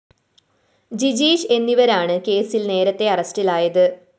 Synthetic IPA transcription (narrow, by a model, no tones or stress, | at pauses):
d͡ʑid͡ʑiːɕe̞nːiʋɐɾaːɳɨke̞ːsilne̞ːɾɐt̪ːe̞ɐrɐstilaːjɐðɨ